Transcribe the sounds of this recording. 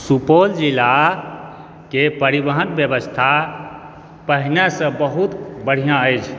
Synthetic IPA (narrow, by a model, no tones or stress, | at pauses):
supold͡ʒila | kepəɾibəɦənbjəbəst̪ʰa | pəɦinesə̃bəɦut̪bəɽ̤ijãəjt͡ʃʰ